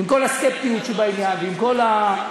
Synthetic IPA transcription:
imko̞laskep̚t̪iut̪ʃelbainjanveimko̞la

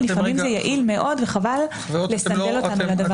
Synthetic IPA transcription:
lifamimzejaʔilme̞ʔo̞d̪veχaval | lːesanelo̞tanulad̪av

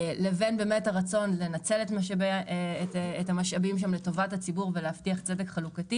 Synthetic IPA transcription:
levenbe̞ːmethaʁat͡so̞nlenat͡se̞letmaʃabetethamaʃabimʃ̬amle̞to̞vathat͡sibuʁveleaftiaχt͡sedekχalukati

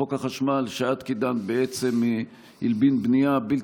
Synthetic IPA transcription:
okaχaʃmalʃaat̪kid̪anbeet͡se̞mːi | hilbinbnijabilt

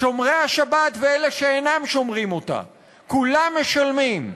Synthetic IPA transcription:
ʃo̞mʁeaʃabat̪veele̞ʃeenamʃo̞mʁimo̞ta̰ | kulamːeʃalmim

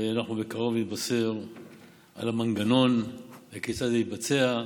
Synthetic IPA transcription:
anaχnubekaʁo̞vnit̪̚baseʁ | a̰lamaŋɡano̞nbeket͡sazeitbat͡se̞a

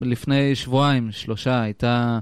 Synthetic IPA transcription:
lifnejʃvuaimʃloʃaajt̪a

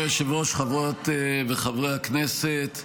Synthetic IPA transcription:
eʃevʁoʃχavʁot̪veχavʁeakneset̪

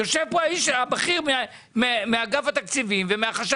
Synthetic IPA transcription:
oʃevpoaiʃabaχiʁmea | memeaɡavat̪akt͡sivimvemeaχaʃ

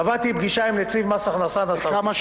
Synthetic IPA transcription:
avat̪ibɡiʃaimlet͡sivmasaχnasanasa

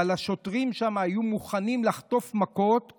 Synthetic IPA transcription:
alaʃo̞tʁimʃamaːjumuχanimlaχto̞fmako̞t

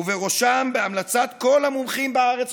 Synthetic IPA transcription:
uveʁo̞ʃambeamlat͡sat̪ko̞lhamumχimbeaʁe̞t͡s

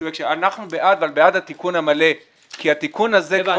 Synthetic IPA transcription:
jekʃeanaχnubeʔad̪avalbead̪hat̪ikunamale̞ | kiat̪ikunaze

